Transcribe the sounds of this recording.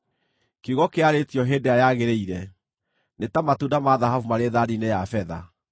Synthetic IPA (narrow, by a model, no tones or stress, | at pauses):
keuɣɔkeaɾetijɔɦeːdeajaɣeɾeiɾɛ | netamatudamaðaɦavumaɾeðaɾinejafɛða̰